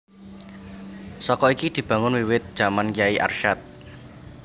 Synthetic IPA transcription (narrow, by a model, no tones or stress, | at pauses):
sɔkɔikid̪̥i̤b̥ä̤ŋʊnwiwɪt̪̚d̥ʒ̥a̤manjaiʔa̰rʃat̪̚